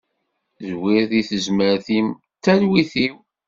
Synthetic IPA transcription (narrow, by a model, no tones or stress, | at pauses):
zwɪɾðiθəzməɾθim | t̪ːælwiθiw